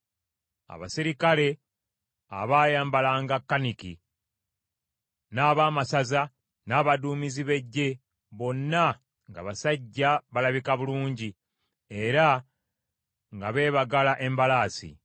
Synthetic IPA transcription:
a̰βa̰siɾikale̞ | a̰βaːjaːmbalaːŋɡakːanikḭ | naːβaːmasaza | naːβaduːmiziβe̞ɟːe̞ | βo̞nːa | ŋɡa̰βasaɟːaβalaβikaβuluːɲɟi | e̞ɾa | ŋɡaβe̞ːβaɡalaʔe̞mbalaːsḭ

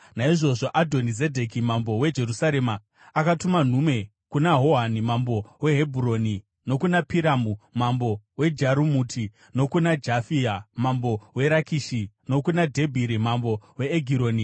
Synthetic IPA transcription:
naiʐo̞ʐo̞ʔadʱo̞nize̞dʱe̞kimambo̞we̞d͡ʒe̞ɾusaɾe̞maː | katuman̤ume̞ | kunaɦo̞ɦanimambo̞we̞ɦebʱuɾo̞ni | no̞kunapiɾamumambo̞we̞d͡ʒaɾumutʰi | no̞kunad͡ʒafiamambo̞we̞ɾakiʃi | no̞kunadʱe̞bʱiɾimambo̞we̞ːɡʱiɾo̞ːni

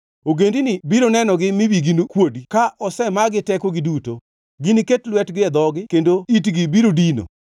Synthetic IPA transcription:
oɡendinɪbiɾonɛnɔɡɪmɪwiɡinokwodikaʔʔɔsɛmaɡɪtɛkɔɡɪduto | ɡiniketlwɛtɡɪɛd̪ɔɡɪkendoitɡɪbiɾodino̰

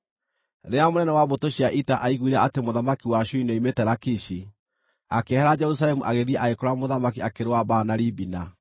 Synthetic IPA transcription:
neamonɛnɛwaβotoɕiaʔitaʔaiɣuiɾaʔatemoðamakiwaʃuinɔimetɛɾakiʃi | akehɛɾad͡ʒɛɾus̬aɾɛmuʔaɣeðiaʔaɣekoɾamoðamakiakeɾewabanaɾibina

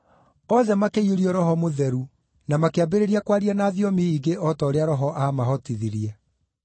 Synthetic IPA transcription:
ɔðɛmakeioɾiɔɾɔhɔmoðɛɾu | namakeabeɾeɾiakwaɾianaːðiɔmiiɡeʔɔtɔoɾeaɾɔɦɔʔamaɦɔtiðiɾiɛ

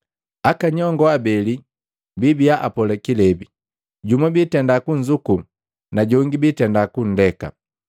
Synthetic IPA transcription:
akaɲɔŋɡɔabɛli | bibiaʔa̰pɔlɛkilɛbi | ɟumabitɛndakuɲd͡ʒuku | naɟɔŋɡibitɛndakun̩dɛka̰

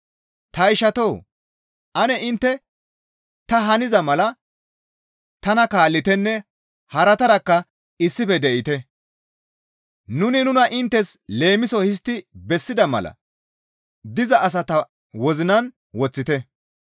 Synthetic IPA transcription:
t̪ɐɪʃɐt̪ow | ʔɐnɛʔɪnt̪ːɛ | t̪ɐɦɐnɪzɐmɐlɐ | t̪ɐnɐkaːlːɪt̪ɛnːɛ | hɐɾɐt̪ɐɾɐkːɐ | ɪsːɪfɛd̪ɛʔɪt̪ɛ | nʊnɪnʊnɐʔɪnt̪ːɛsle̞ːmɪsɔhɪs̬t̪ːɪbɛsːɪd̪ɐmɐ̰lɐ̰ | d̪ɪzɐʔːs̬ɐt̪ɐ | wɔzɪnɐn | wɔt͡sːɪt̪ɛ

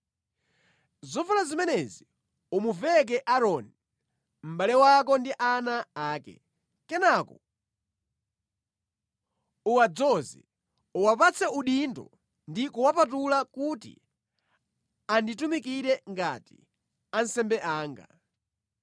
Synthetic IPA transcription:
zɔvulazimɛnɛzi | umuvɛk̬ɛʔaɾɔni | m̩ɓalɛwak̬ɔndiʔanaaːkɛ̰ | kɛnakɔ | uwad͡zɔzḭ | uwapat͡sʰɛuɗindɔ̰ | ndikuwapat̬ulakutḭ | anditumik̬iɾɛŋɡa̰tḭ | ansɛmbɛʔaːŋɡa̰

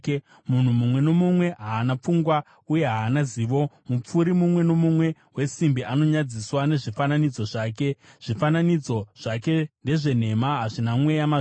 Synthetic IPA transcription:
mun̤umumwe̞no̞mumwe̞ɦaːnap͡fuŋɡwa | uje̞ɦaːnaziːʋo̞mup͡fuɾimumwe̞no̞mumwe̞ | we̞simbiano̞ɲad͡ziswane̞ʐifananid͡zo̞ʐaːk̬e̞ʐ̥ifananid͡zo̞ʐ̥ake̞nde̞ʐe̞n̤e̞maɦaʐinamwe̞jama

